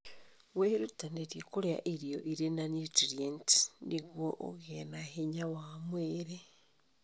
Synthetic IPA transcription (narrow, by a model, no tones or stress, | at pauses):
weɾutaneɾjekuɾea̰ʔiɾjoʔiɾenanitiɾjenti̥niɣwoʔo̰ɣenaheɲawamweːɾe